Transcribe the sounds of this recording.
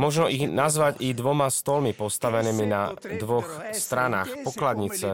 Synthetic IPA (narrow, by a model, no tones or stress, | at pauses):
mɔʒnɔʔiɣnazʋaɟid̪ʋɔmast̪ɔlmipɔst̪aʋɛniːmina̰d̪ʋɔxst̪ɾana̰ːxpɔklad̪ɲit͡sɛ